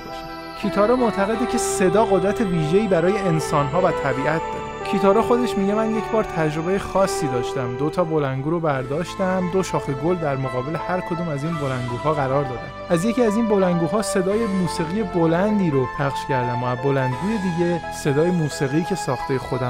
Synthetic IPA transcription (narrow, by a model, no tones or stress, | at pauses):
ʃ | cʰiːt̪ʰɒːɾɛmoʔt̪ʰæɣe̞d̪ecʰe̞se̞d̪ɒːɣod̪ɾæt̪ʰe̞viːʒeiːbæɾɒːje̞ensɒːnɦɒːvæt̪ʰæbiːʔæt̪̚d̪ɒ̰ɾekcʰiːt̪ʰɒːɾɛxo̞d̪e̞ʃmiːɟemænje̞cʰbɒːɾt̪ʰæd͡ʒɾo̞be̞jexɒːsːiːd̪ɒːʃt̪æmd̪o̞t̪ʰɒːbo̞lænɡuːɾobæɾd̪ɒːʃt̪æmd̪o̞ʃɒːxeɡold̪æɾmo̞ɣɒːbe̞le̞hæɾkʰo̞d̪uːmæziːnbo̞lænɡuːɦɒːɣæɾɒːɾd̪ɒːd̪æ̰mʔæzje̞ciːæziːnbo̞lænɡuːɦɒːse̞d̪ɒːje̞muːsiɣije̞bolænd̪iːɾopʰæχʃcæɾd̪æmæbo̞lænd̪̚ɡuːje̞d̪iːɟe̞se̞d̪ɒːjemuːsiɣiːcʰe̞sɒːxt̪e̞jexo̞d̪æ